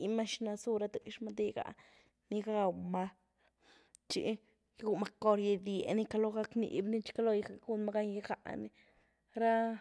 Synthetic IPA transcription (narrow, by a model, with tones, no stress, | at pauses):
ma˦ʃna˧su˦ɾa˧d̪ɨ˦˨ʃma˧d̪i˧ɡa̰˨ | ni˦ɡa˧ma˧ | t͡ʃḭ˧ | jɡu˧ma˧˦ko˧ɾje˧d̪je˨ni˦ka˧lo˦ɡa˦knḭ˨bni˦t͡ʃka˦lo˧jɡa˧ɡu˦˧nma˧ɡa˧˦ɲja˧ɡa̰˨ʔni˦ | ɾa˦